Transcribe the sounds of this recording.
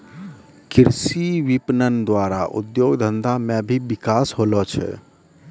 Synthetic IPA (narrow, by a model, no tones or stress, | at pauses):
kiɾsiʋipnənd̪waɾaʔṵd̪joɡd̪ʱənd̪amebʱibikasɦolɔt͡ʃʰɛ̰